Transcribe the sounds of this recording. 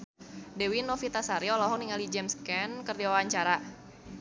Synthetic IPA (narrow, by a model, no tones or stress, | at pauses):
dɛwinɔfit̪asaɾiɔlɔɦɔŋniŋalid͡ʒɛmskɛnkərdiwaaɲt͡ʃaɾa